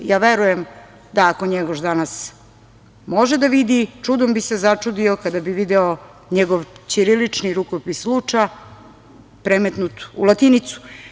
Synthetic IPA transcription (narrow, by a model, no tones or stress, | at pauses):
jaːʋeɾujem | d̪aːkoɲeɡoʃd̪anas | mo̞ʒed̪aʋid̪it͡ʂud̪ombisezat͡ʂud̪iokad̪abiʋid̪ɛo | ɲeɡoʋt͡ɕiɾilit͡ʂniɾukopislut͡ʂa | pɾemet̪nut̪ulˠat̪init̪su̥